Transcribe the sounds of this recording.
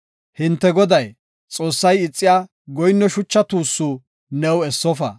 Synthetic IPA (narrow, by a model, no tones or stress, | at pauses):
hɪnt̪ːɛɡɔd̪ɐj | t͡sʼo̞ːsːɐjɪt͡sʼːɪjaː | ɡɔjnːɔʃʊt͡ʃːɐt̪uːsːu | nɛwɛsːɔfɐ̰